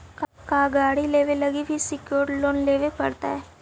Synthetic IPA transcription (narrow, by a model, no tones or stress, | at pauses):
kkaːɡaːɽileːʋelɐɡibʱisɪkjoːʈloːnleːʋepɐɽt̪a̰ɦɛː